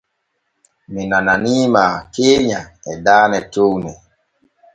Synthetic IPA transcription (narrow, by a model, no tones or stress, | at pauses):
minananimakeːɲaɛdaːnɛtownɛ